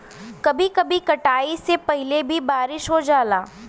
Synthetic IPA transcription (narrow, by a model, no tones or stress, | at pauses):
kɐbʱikɐbʱikɐʈaːisepɛɦɪlebʱibaːɾɪʃɦod͡ʒaːlaː